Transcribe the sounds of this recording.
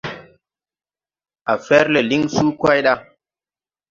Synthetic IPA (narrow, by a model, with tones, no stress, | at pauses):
ʔa˨fɛ˦ɾle˨li˦ŋsuː˦kʷa˦jɗa˦